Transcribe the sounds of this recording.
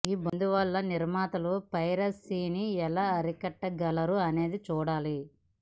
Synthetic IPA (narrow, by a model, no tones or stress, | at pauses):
iːbond̪uʋɐɭːɐniɾmaːt̪ɐlupɐjɾɐsiːniɛlaːɐɾikɐʈːɐɡɐlɐɾuɐne̞ːd̪it͡ʃuːɽaːli